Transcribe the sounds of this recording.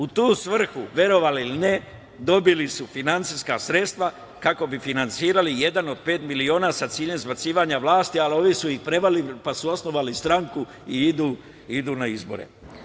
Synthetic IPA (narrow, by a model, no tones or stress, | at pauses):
ut̪uːsʋr̩xuʋje̞ɾo̞ʋaliiline | d̪o̞bilisufinant̪siskasɾe̞t̪st̪ʋa | kako̞bifinant̪siːɾalije̞d̪ano̞d̪̚pe̞ːt̪milio̞ːnaːsat̪siːʎe̞mzbat̪siːʋaːɲaʋlaːst̪ialo̞ʋisuixpɾebalipasuo̞sno̞ʋalist̪ɾaŋku | iid̪uː | id̪uːnaizboɾḛ